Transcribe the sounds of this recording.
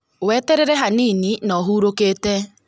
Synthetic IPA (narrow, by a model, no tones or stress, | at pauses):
wɛtɛɾeɾɛɦanininɔɦuːɾokete